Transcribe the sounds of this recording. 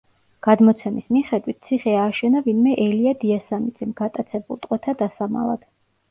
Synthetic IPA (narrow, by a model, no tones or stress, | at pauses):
ɡ̥ad̪mɔt̪sʰɛmismiχɛd̪wit̪̚ʰt̪sʰiχɛaːʃɛnavinmɛʔɛliad̪iasamid̪zɛmɡat̪ʼat̪sʰɛbulˠt̪ʼqʼwɛt̪ʰad̪asama̰lˠa̰d̪̥